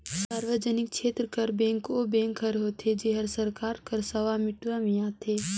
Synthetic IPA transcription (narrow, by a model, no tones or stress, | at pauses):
saːɾʋəd͡ʒənɪk̚ʃʰeːt̪ɾəkɐɾbɛ̃ːŋkobɛ̃ːŋkɦəɾɦoːt̪ʰed͡ʒeɦəɾsɐɾkaːɾkɐɾsɐʋamɪʈʋamĩaːt̪ʰeː